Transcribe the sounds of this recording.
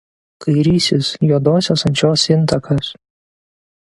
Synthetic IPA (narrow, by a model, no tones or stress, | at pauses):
kɐɪɾʲiːsʲɪsjuːd̪oːsʲoːsɐnʲt͡ʃʲoːsɪnˑt̪ɐkɐs